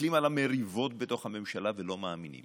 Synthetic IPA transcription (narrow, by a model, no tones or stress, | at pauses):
limalameʁivo̞tbeto̞χhame̞mʃalavelo̞maːminḭm